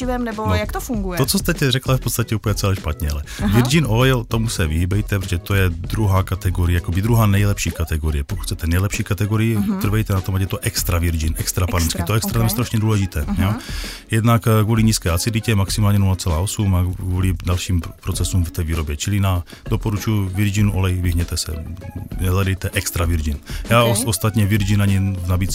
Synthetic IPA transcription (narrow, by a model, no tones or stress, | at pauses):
ɪvɛmnɛbonjakt̪ofuŋɡujɛt̪ot͡sost̪ɛcɛrɛklajɛfpot̪t͡st̪acɛupəɲɛt͡sɛlɛʃpat̪ɲɛalɛvɪɾd͡ʒinojɛlt̪o̞musɛvɪɦibɛjt̪ɛpɾoʒɛt̪ojɛd̪ɾuɦaːkat̪ɛɡoɾɪjɛjakobid̪ɾuɦaːnɛjlɛpʃiːkat̪ɛɡoɾɪjɛpok̪ku̥cxt͡sɛt̪ɛnɛjlɛpʃiːkat̪ɛɡoɾɪjit̪r̩vɛjt̪ɛnat̪omajɛt̪oʔɛkst̪ɾavɪɾd͡ʒɪnʔɛkst̪ɾapaɾɛnt͡skit̪oɛkst̪ɾazamɛst̪ɾaʃɲɛduːlɛʒɪt̪ɛ̰ːjojɛdnakɡvuːliɲiːskɛːat͡sɪdlicɛɛmaksimaːlɲɛnulat͡sɛlaːʔosumaɡvulidalʃiːmpɾot͡sɛsumft̪ɛːviːɾo̞bjɛt͡ʃɪlɪna | dopoɾut͡ʃujuvɪɾʒinuʔo̞lɛjvɪɦɲɛt̪ɛsɛ̰nɛladɛjt̪ɛʔɛkst̪ɾavɪɾd͡ʒɪnjaːoost̪at̪ɲɛvɪɾd͡ʒinaɲinabiːt͡s